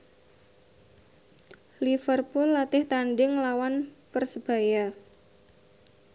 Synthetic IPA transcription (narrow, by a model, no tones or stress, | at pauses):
lifərpʊlːat̪ɪht̪anɖɪŋlawanpərsəb̥a̤ja